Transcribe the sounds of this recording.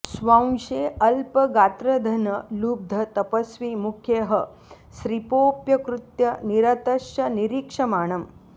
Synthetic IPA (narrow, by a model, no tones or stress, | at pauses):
sʋãʃeːɐlpɐɡaːt̪ɾɐd̪ʱɐnɐluːb̚d̪ʱɐt̪ɐpɐsʋiːmukʰjeɦɐ | ʃɾipoːpjɐkɾut̪jɐniɾɐt̪ɐʃjɐniɾikʂɐmaːɳɐm